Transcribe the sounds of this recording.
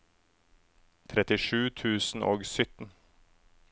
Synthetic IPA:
t̪ʰɾɛt̪ɪʃʉːt̪ʰʉːsn̩ʔoːɡsʏt̪n̩

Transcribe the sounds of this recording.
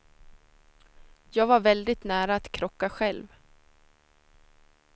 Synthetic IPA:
jɑːɡvaɾvɛld̪ɪt̪næːɾaːt̪kʰɾɔkːaɧɛlv

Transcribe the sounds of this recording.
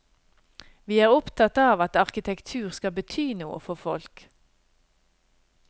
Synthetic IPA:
ʋiːæːʁʊpt̪ʰɑt̪ɑːʋɑt̪ɑʁkɪt̪ʰɛkt̪ʰʉːʁskɑbət̪ʰyːnuːə̰fɔfɔ̰lk

